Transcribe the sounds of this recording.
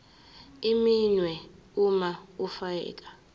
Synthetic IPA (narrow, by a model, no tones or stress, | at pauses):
iminwɛumaufaɛ̰ːkʼa